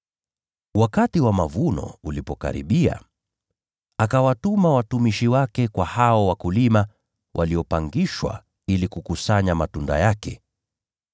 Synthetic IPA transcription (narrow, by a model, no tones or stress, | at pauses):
wakatiwamavunɔ̰ulipɔka̰ɾḭɓia̰ | akawatumawatumiʃiwakɛkwahaɔwakulima | wʔaliɔpaŋɡiʃwa̰ | ilikukusaɲamatunda̰jakɛ